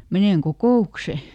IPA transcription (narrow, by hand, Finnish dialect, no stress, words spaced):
meneˑŋ kokoˑukse